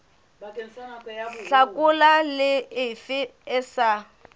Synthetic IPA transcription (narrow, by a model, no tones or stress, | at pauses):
ɬakʼʊlalɪɪfɪɪsa